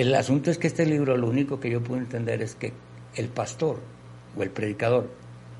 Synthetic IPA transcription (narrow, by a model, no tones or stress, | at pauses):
elasunt̪o̞eskeest̪e̞liβɾo̞lo̞uniko̞ke̞ʝo̞p̬weðoent̪e̞nd̪e̞̰ɾe̞ske̞ | elpast̪o̞ɾ | oe̞lpɾe̞ðikað̞o̞ɾ